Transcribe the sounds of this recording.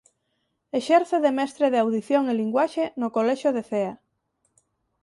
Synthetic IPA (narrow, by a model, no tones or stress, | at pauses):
eʃɛɾθeðemɛst̪ɾeðeawðiθjoŋeliŋɡwaʃenokolɛʃoðeθea